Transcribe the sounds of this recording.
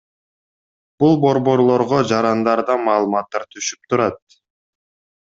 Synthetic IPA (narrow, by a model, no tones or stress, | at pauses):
b̥ulˠbo̞ɾbo̞ɾlˠo̞ɾʁod͡ʒɑɾɑnd̪ɑɾd̪ɑmɑːlˠɯmɑt̪ːɑɾt̪ʰyʃyp̚t̪uɾɑt̪̚